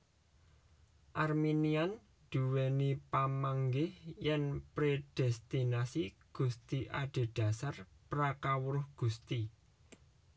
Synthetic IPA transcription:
ʔarminian | d̪̥ṳwenipamaŋɡɪhjɛnpɾed̥ɛst̪inasiɡ̥ṳst̪iʔaɖ̪̥e̤ɖ̥ä̤sarpɾakawɾʊhɡ̥ṳst̪i

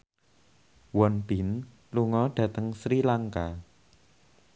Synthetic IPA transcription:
wɔnb̥ɪn | luŋɔɖ̥ä̤t̪əŋsɾilaŋka

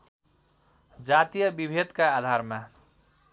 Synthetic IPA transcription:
d͡ʒat̪ijəbibʱed̪kaːd̪ʱaɾma

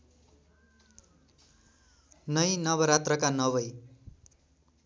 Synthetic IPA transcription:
nʌjnʌβʌɾat̪rʌkanʌβʌj

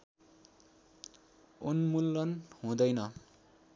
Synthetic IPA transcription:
unmulːʌnhũd̪ʌjnʌ

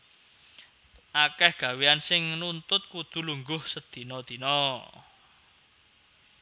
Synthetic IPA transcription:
ʔakɛhɡ̥ä̤weansɪŋnunt̪ʊt̪̚kud̪̥ṳluŋɡʊhsəd̪̥i̤nɔd̪̥i̤nɔ

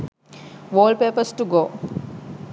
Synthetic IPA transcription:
ʋoːlpeːpəsʈuɡoː

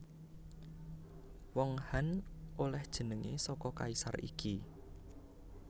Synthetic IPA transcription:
wɔŋhanolɛhd̥ʒ̥ə̤nəŋʔḛsɔkɔkaisa̰rḭkʰi

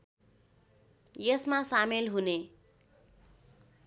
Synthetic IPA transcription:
jʌsmasamelɦune

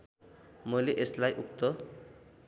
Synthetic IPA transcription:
mʌjleʔeslajʔuk̚t̪ʌ

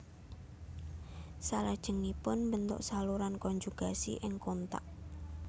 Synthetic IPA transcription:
salad̥ʒ̥ə̤ŋipʊnmbənt̪ʊ̰ʔsaluɾankɔɲd͡ʒuɡ̥a̤sḭʔɪŋkont̪a̰ʔ

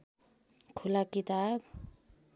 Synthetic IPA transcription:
kʰulakit̪ab̚

